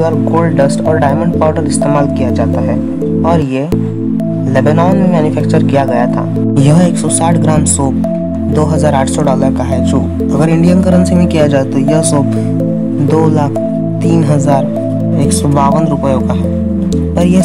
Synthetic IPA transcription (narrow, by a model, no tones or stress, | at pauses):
aːɾkoːlɖɖəsʈɔːɾɖaːɪmə̃ɳɖ̚paːʈəɾɪst̪eːmaːlkijad͡ʒaːt̪aɦɛː | ɔːɾje | leːbenɔːnmẽmɛːnʊfʰɛːk̚t͡ʃəɾkijaɡɐjat̪ʰa̰ː | jɐɦeːksɔsaːʈʰɡɾãːmsoːp̚ | d̪oːɦɐzaːɾaːʈʰsɔɖɔːləɾkaɦɛd͡ʒoː | ɐɡəɾɪ̃ɳɖijənkəɾə̃nsibʱĩkijad͡ʒaːt̪ojɐɦsoːp̚ | d̪oːlaːkʰ | t̪iːnɦɐzaːɾ | eːksɔbaːʋənɾʊpəjõkaɦɛː | pɐɾje